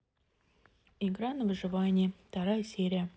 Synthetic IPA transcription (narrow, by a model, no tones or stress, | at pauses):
ɪɡɾanəvɨʐɨvanʲɪɪft̪ɐɾajəsʲeɾʲɪjə